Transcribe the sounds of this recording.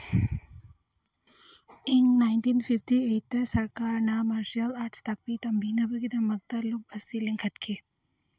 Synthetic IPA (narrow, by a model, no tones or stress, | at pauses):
iŋnajnt̪iːnfifʈiejt̪əsɐɾkaːɾnamaːɾʃiɐlaːɾʈst̪ɐk̚pit̪ɐmbʱinɐbɐɡid̪ɐmɐɡ̚t̪ɐlub̚ɐsiliŋkʰɐt̪kʰi